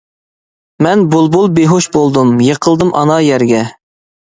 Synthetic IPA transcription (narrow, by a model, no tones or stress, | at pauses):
mɛnbulˠbulˠbeɦoʃbolˠd̪umjeqʰəlˠd̪ɨmʔɑnɑjɛɾɡʲɛ